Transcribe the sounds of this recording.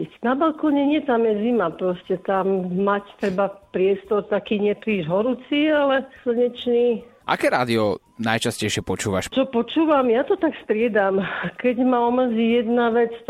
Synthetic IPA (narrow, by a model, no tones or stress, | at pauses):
nabalkɔːɲɛɲɪɛt̪amjɛzimapɾɔscɛt̪amːact̪ɾɛbapɾɪɛst̪ɔɾt̪akiːɲɛpɾiːʒɦɔɾut͡sialɛsl̩ɲɛt͡ʃniːʔa̰kɛːɾaːd̪iɔ | najt͡ʃascɛjʃɪɛpɔt͡ʃuːʋa̰ʃt͡ʃɔpɔt͡ʃuːʋamjat̪ɔt̪akst̪ɾɪɛd̪amkɛɟmaɔmr̩ziːjɛd̪naʋɛt͡s